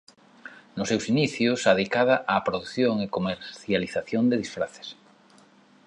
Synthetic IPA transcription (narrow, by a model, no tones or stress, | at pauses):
nʊsewsiniθjʊsaðikaðaʔaːpɾoðuθjoŋekomeɾθjaliθaθjond̪eðisfɾaθe̥s